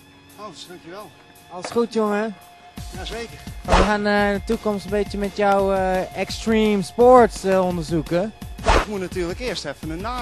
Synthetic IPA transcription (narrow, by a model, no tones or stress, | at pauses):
od̥aŋkjuʋɛlˠ | ɑlˠəsχutjoŋə | jaekəmajəxanətukomstənbɪtsjəmɛtjawɛkstriːmspoɹtsondəɹzukəjaɪkmutnatyːɹləkɪəɹstɛfənəna